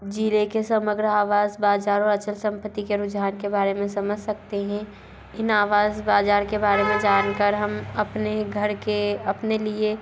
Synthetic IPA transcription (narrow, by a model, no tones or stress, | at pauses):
d͡ʒilekesəməɡɾəaːʋaːzbaːd͡ʒaːɾɔːɾɐt͡ʃəlsɐ̃mpət̪ːikeɾʊd͡ʒɦaːnkebaːɾemẽsɐməd͡ʒʱsɐkt̪eɦɛ̃ | ɪnaːʋaːzbaːd͡ʒaːɾkebaːɾemẽd͡ʒaːnkəɾɦɐmɐpneɡʱəɾkeɐpnelie